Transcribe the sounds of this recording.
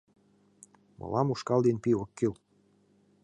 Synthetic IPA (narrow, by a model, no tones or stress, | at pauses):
mʔɤ̰lɑmuʃkɑld̪enpiokːel